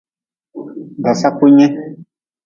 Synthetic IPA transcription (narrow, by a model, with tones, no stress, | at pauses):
ɡa˨sa˦k͡po˦ɲɛ̃˦